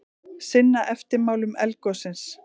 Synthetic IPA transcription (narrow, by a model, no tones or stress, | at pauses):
sɪnːaʔɛft̪ɪɾmaːwlʏmɛlkɔsɪns